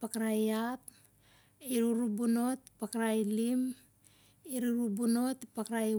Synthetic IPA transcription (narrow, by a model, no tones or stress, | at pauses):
pakaɾajat | iɾuɾubuno̞ti̥pakaɾajlim | iɾuɾubuno̞tipakɾaj